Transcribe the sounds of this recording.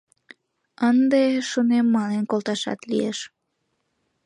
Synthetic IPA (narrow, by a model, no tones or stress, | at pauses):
ənd̪eʃunemːɑnenkolt̪ɑʃɑ̰t̪lieʃ